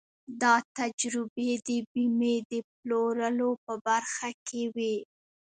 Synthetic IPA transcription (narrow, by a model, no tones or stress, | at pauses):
d̪ɑt̪ad͡ʒɾɪbed̪əbimed̪əploɾəlopəbaɾxakʰewi